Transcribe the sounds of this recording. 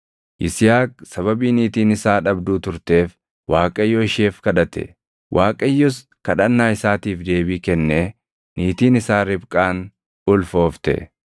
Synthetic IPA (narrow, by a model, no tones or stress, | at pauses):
ʔɪsɪjaːksɐβɐbiːniːt̪iːnɪsaːᶑɐbd̪uːt̪ʊɾt̪e̞ːf | waːkʼɐjːɔɪʃe̞ːfkɐᶑɐt̪ɛ̰ | wʔaːkʼɐjːɔs | kɐᶑɐnːaːɪsaːt̪iːfd̪e̞ːbiːkɛnːeː | niːt̪iːnɪsaːɾɪbkʼaːn | ʊlfo̞ːft̪ɛ̰